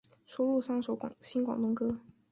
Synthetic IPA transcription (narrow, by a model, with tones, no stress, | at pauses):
ʂu˥lu˥˩ʂɑ˥ŋʂo˧˥ʊkɕi˥nkwɑ̰˨˩ŋt̪ʊ˥ŋkɤ˥